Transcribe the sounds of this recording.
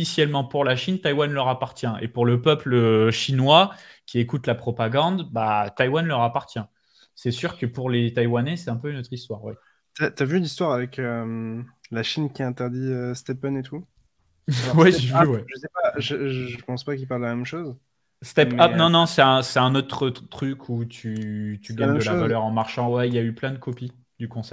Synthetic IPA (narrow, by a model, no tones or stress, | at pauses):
isjɛlmɑ̃puʁlaʃint̪ajwanlœʁapaʁt̪jɛ̃ʔḛpuʁləpœpləʃinwakʲiekut̪lapχɔpaɡɑ̃d̪bat̪ajwanlœʁapaʁt̪jɛ̃ | sɛsyʁkəpuʁlet̪ajwanɛsɛt̪ɛ̃pøynot̪χist̪waʁwɛ | t̪yat̪yavynist̪waʁavɛkømlaʃinkʲiɛ̃t̪ɛʁd̪iøst̪ɛpœnet̪u | wɛʒevywɛʒəsɛpaʒəʒəʒəpɑ̃spakilpaʁd̪lamɛmʃoz | st̪ɛpapnɔ̃nɔ̃sɛt̪ɛ̃sɛt̪ɛ̃not̪χət̪χykʰut̪ʰyt̪yɡaʁmɛmd̪əlavalœʁɑ̃maʁʃɑ̃wɛiljayplɛ̃d̪əkʰɔpi | d̪ykɔ̃sɛp